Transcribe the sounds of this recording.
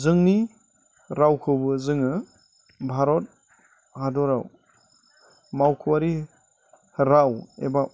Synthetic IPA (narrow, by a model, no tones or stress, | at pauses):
zɯŋni | ɾawkʰɯbɯzɯŋɯ | bʱaɾɔt̚ | hadɔɾaw | mawkʰuwaɾi | ɾawḛba